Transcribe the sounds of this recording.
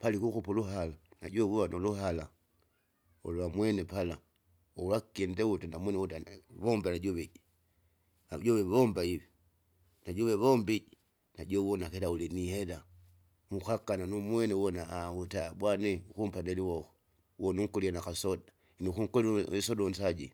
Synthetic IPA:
palikuxupuluɦalana̰ɟowuβanoluhala | olwamwenepala | owakendewutandamwenewutaβombanaɟoβeɟi | aɟoβeombaiβi | naɟoβeβombiɟi | naɟowonakeɾauliniheɾa | muxakananumwenewonautabwaneukumpaneliwoxo | wonuŋkolianakasoda | nixuŋkolisodonsaɟḭ

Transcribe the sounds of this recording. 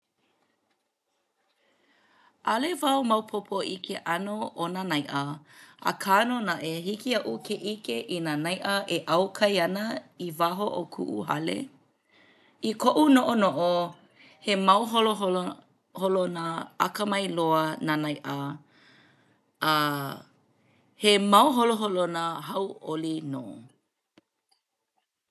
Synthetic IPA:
ʔɐlevɐwmɐwpʰopʰoʔikʰeʔɐnoʔonanɐjʔəa̰kʰaːnonaʔehikiɐʔukʰeʔikeʔinanɐjʔɐʔeʔɐwkʰɐjɐnɐivaɦoʔokʰṵʔṵɦɐ̰lḛ | ikʰoʔunoʔonoʔo | hemɐwɦoloo | holonəɐ̰kəmɐjloənanɐjʔə | a | hemɐwɦoloɦolonəhɐwʔolino̰ː

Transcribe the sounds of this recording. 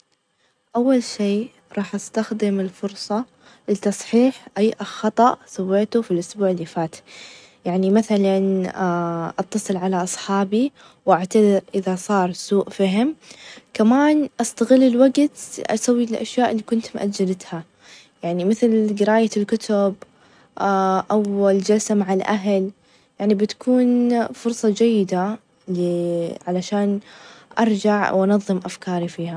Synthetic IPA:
ʔawːalʃiː | ɾˤɑːħʔast̪axd̪ɪmɪlfʊɾsˤɑ | lɪt̪ːɑsˤħiːħʔajːʔɪlxɑt̪ˤɑʔsawːeːt̪ufilʔʊsbuːʕɪlːifaːt̪ | jaʕnimaθalan | ʔɑt̪ːɑsˤɨlʕalaʔɑsˤħɑːbi | wʔaʕt̪ad̪ɪɾʔɪðasˤɑːɾˤsuːʔfiɦɪmkamaːnʔɑst̪aɣɪlːɪlwaɡt̪ʔa̰sawːiɪlʔa̰ʃjaːʔɪlːiːkʊnt̪mʔad̪d͡ʒalat̪ha | jaʕnimɪθlɡɪɾaːjalkʊt̪ʰʊb | ʔawːald͡ʒalsamaʕalʔaɦl | jaʕnibɪt̪ḁkʰuːnfʊɾˤsˤɑd͡ʒajːɪd̪a | liʕalaʃaːnʔɑɾˤd͡ʒaʕwʔɑnɑðˤːɨmʔafkɑːɾifiːha

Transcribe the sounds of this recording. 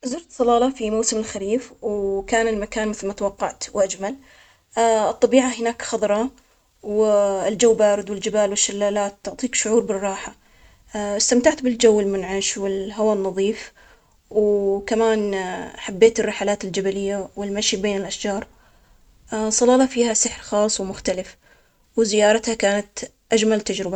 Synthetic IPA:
zʊɾt̪sˤɑlɑːlɑfimawsɪmɪlxaɾiːfwkaːnɪlmakaːnmɪθlmat̪awɑqːɑʕt̪wʔad͡ʒmal | ɨt̪ˤːɑbiːʕaɦɪnaːkxɑðˤɾˤɑ | wɪld͡ʒawːbaːɾɪd̪wɪld͡ʒɪbaːlwɪʃːalːaːlaːt̪ːʊʕt̪ˤiːkʃʊʕuːɾbɪrˤːɑːħa | ɪst̪amt̪aʕt̪bɪld͡ʒawːɪlmʊnʕaʃwɪlɦawaːnːɑðˤiːf | wkamaːnħabːeːt̪ɪrːɪħalaːt̪ɪld͡ʒabalɪjːawɪlmaʃibeːnɪlʔaʃd͡ʒɑːɾˤ | sˤɑlɑːlɑfiːhasɪħɾxɑːsˤwmʊxt̪alɪf | wzɪjɑːɾˤɑt̪hakaːnat̪ | ʔad͡ʒmalt̪ad͡ʒɾɪba

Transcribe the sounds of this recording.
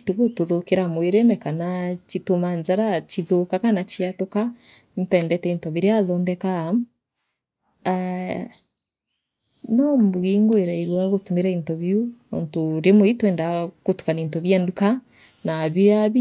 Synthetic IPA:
i̥teɣotoðokeɾamweɾenɛkanat͡ʃitomaɲd͡ʒaɾat͡ʃiðokakanat͡ʃiatokantɛːndɛtɛintɔβiɾeaðɔndɛkam | a | nɔmbuɣiːŋɡoeɾaiɾwaɣotumeɾaintɔβjuo̰ntoɾemoitwɛːndakotu̥kanintɔβjanduka | naβiaβi

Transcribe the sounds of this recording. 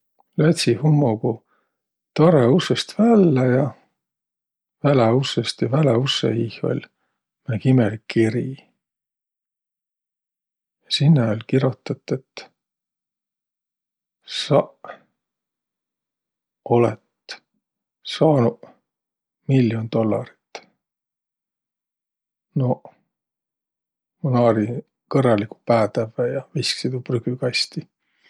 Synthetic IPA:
læt̪sihumːoɡ̥u | t̪ɑreusest̪vælːejɑ | væleusest̪jɑvæleusːḛiho̰lʲ | minækimelikʰːiɾi | jɑsinːeolʲkiɾot̪ˑːɑt̪ːˑet̪ː | sɑʔ | o̞let̪ | sɑːnuʔ | milːjo̞nd̪̥o̞lːɑ̰ɾi̥t̪ː | no | munɑːɾi | kɤrːɑlːiku̥pæːt̪ævæjɑvisksid̪ubryɡykɑjst̪i

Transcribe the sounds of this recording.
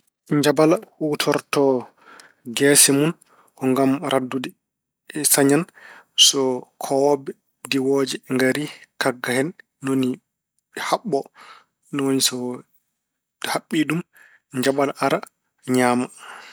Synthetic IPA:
ɲd͡ʒabalawutʰɔɾtɔ | ɡɛsimun | kɔŋɡamɾʔadːudɛ | saɲansɔkʰɔwɔbɛ | diwoːd͡ʒɛŋɡaɾikaɡːahɛnː | oni | haɓːɔ | nɔwonisɔ | haɓːiɗum | ɲd͡ʒabalaʔaɾa | ɲaːma

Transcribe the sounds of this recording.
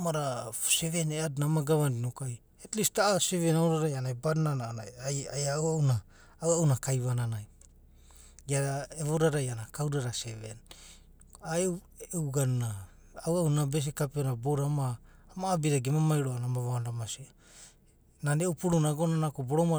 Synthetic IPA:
maɾaseβeneadunamaɡaβandinokaj | etlistaʔaseβenaoɾaɾajanaebadnanaaajawaunaː | waunakajβananaj | ɡaeβoɾaɾajanakawɾaɾaseven | ae | ewɡanːaː | waunabes̬ekapeonaboɾamaːmaːbiɾaɡemamajɾoanamaβandamasia | naneupuɾunaɡonanakobo̞ɾoma

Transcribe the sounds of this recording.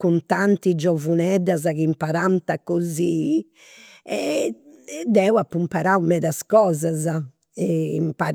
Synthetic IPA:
kunt̪ant̪id͡ʒɔvunɛd̪azakimpaɾant̪akːozi | ɛ | d̪ɛːwapːumpaɾawmɛd̪askɔːzaza | ɛimpaɾ

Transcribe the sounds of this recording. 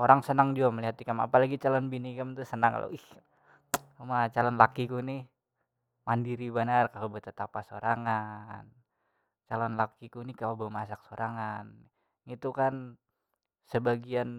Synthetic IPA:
oɾaŋsənaŋd͡ʒuaməliɦat̪ikama̰palaɡit͡ʃalɔnbinikamt̪usənaŋka̰lo̰ʔih | umat͡ʃalɔnlakikunih | mandiɾibənarkalobət̪ət̪apasoɾaŋan | t͡ʃalɔnlakikunikalabəmasak̚soɾʔaŋan | it̪ukan | səbaɡian

